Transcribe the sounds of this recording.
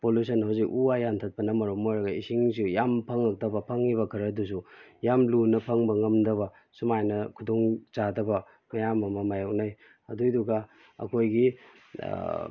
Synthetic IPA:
polus̬ʰɐnɦawzikuajantʰɐt̚pɐnɐmɐɾomːojɾɐɡɐisiŋsujampʰaŋak̚tɐbɐpʰaŋiβɐkʰɐɾɐdus̬ujamlunɐpʰɐŋbɐŋɐmdɐβɐ | sumajnɐkʰudoŋzadɐbɐ | mɐjamɐmɐmajok̚naj | ɐdujduɡa | ɐ̰kʰojɡi

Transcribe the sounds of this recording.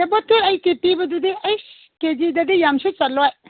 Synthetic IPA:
ebotʰːiɐjkipibɐdudiʔɐjs | ked͡ʒidɐdijamsut͡ʃɐlɔj

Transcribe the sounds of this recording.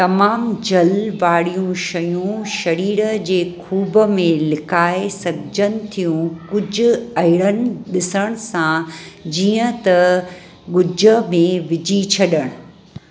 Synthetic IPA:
t̪ɐmaːmd͡ʑɐlʋaːɽijũʃɐjũʃɐɾiːɾəd͡ʑeːkʰuːbəmẽlɪkaːɪsɐbʱɪd͡ʑənɪ̆t̪ʰijũkʊd͡ʑʱʊ̆ɐɦɪɽ̃ənɪ̆ɗɪsəɽ̃sãd͡ʑiːə̃t̪ɐ | ɡʊd͡ʑʱəmẽʋɪd͡ʑʱit͡ɕʰɐɗəɽ̃ʊ

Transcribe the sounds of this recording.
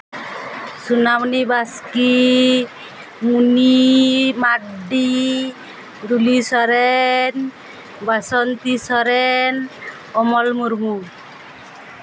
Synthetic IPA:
sunamnibaski | munimaɖi | d̪ulisɔɾɛn | basɔnt̪isɔɾɛn | ɔmɔlmuɾmu

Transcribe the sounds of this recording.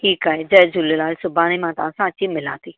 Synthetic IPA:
ʈʰiːkaːɦed͡ʒɐd͡ʒʊlelaːlsʊbaːnimãːt̪ãsãːt͡ɕimɪlã̰ːt̪iː

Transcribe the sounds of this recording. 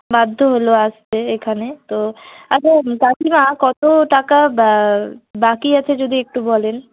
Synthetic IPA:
bad̪ʱːoɦoloasteekʰanet̪oat͡ɕʰakakimakɔt̪oʈakaabakiat͡ɕʰed͡ʑod̪ʱiek̚ʈubɔlen

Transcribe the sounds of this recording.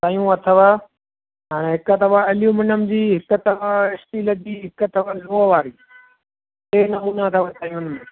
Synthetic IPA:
t̪ãːjũɐt̪ʰəʋa | ɦaːɽ̃ẽɦɪkət̪ɐfaɐlɪjũmɪnəmɪd͡ʑiːɦɪkət̪ɐfaɪsʈiːləd͡ʑiːɦɪkət̪ɐfaloːʋaːɾiː | t̪eːnɐmuːnat̪ʰəʋɐt̪aːjũnm̃ː

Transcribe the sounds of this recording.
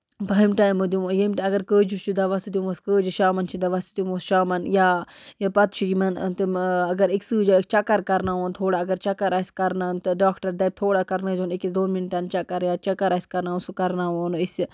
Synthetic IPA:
pɐmʈaːjmod̪jumojɐmʈɐɡɐɾkəːd͡ʒut͡ʃʰud̪aʋɐst̪ud̪jumʋɐskəːd͡ʒiʃaːmɐnt͡ʃʰid̪aʋɐst̪d̪ʲjumosʃaːmɐnjaːjapɐt̪t͡ʃʰid͡ʒimɐnt̪ɨɐɡɐɾiksɨːd͡ʒɐkt͡ʃɐkɐɾkɐɾnaʋoːnt̪ʰoːɽaɐɡɐɾt͡ʃɐkɐɾɐsʲkɐɾnant̪ɨɖaːkʈɐɾd̪ɐb̚t̪ʰoːɽakɐɾnɐd͡ʒunikisd̪oːnminʈant͡ʃɐkɐɾjaːt͡ʃɐkɐɾɐsʲkɐɾnaːunsukɐɾnaːʋoːnis

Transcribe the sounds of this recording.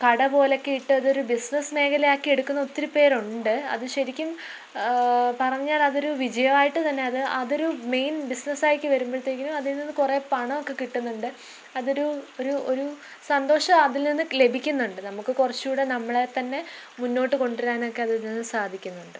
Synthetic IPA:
kɐɽɐbo̞ːlokːeiʈːɨɐðɨo̞ɾubisnɐsme̞ːkʰɐlɐjaːkːie̞ɽukːunːɐo̞t̪ːiɾupe̞ːɾuɳɖɨɐ̰ðɨɕɐɾikʲːum | pɐrɐɲːaːlɐðo̞ɾuʋid͡ʑɐjɐmaːjiʈːɨt̪ɐnːe̞ɐðɨʔɐðo̞ɾume̞jnbisnɐsaːjikʲːɨʋɐɾumboːɭt̪ːeːkːilumɐðilninːɨkure̞ːpɐɳɐmokːe̞kiʈːunːuɳɖɨ | ɐðo̞ɾuoɾuo̞ɾu | sɐnd̪o̞ːʂɐmɐðilninːɨlebʱikʲːunːuɳɖɨnɐmukːɨkurɐt͡ɕːjuːɽe̞nɐmːɐɭe̞t̪ɐnːe̞munːo̞ːʈːɨko̞ɳɖiɾaːno̞kːe̞ɐðɨninːɨsaːd̪ʱikʲːunːuɳɖɨ

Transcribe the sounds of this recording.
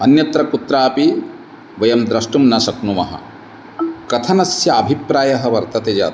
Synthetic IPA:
ɐnjɐt̪ɾɐkut̪ɾaːpi | ʋɐjɐmd̪ɾɐʂʈumnɐsɐknumɐɦɐ̰̆ | kɐt̪ʰɐnɐsjɐːbʱipɾaːjɐɦɐʋɐɾt̪ɐt̪eːd͡ʒa̰ː

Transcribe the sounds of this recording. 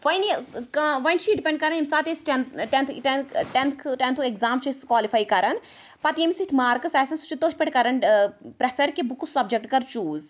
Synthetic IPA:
ʋɐjnikɐʋɐnt͡ʃʰiɖipʲẽɳɖkɐɾɐnimisaːt̪esʈenʈent̪ʰʈenʈent̪ʰkʰʈent̪ʰuekzaːmt͡ʃʰiskwaːlifaːjkɐɾɐn | pɐt̪jemisit̪ʰmaːɾkɨsɛːsɐnsu̥t͡ʃʰit̪oːɦʲʰpɐʈʲkɐɾɐnpɾɐpʰɐɾkibukusɐb̚d͡ʒek̚ʈkɐɾt͡ʃuːz

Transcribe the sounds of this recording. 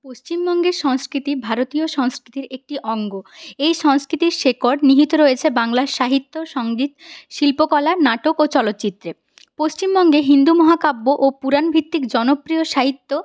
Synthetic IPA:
post͡ɕimbɔŋɡeɾʃɔŋskɾit̪ibʱaɾot̪ioʃɔŋskɾit̪iɾek̚ʈiʔɔŋɡoejʃɔŋskɾit̪iɾʃekoɾɖniɦit̪oɾoet͡ɕʰebaŋlaɾʃaɦit̪ːoʃɔŋɡid̪ʃilpokɔlanaʈokot͡ɕɔlot̪ːt͡ɕit̪ːɾe | post͡ɕimbɔŋɡeɦind̪umɔɦakabːoʔopuɾanbʱit̪ːikd͡ʑɔnopɾioʃaɦit̪ːo

